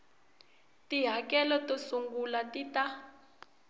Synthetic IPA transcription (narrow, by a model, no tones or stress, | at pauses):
tiɦakɛlɔtosuŋɡulatita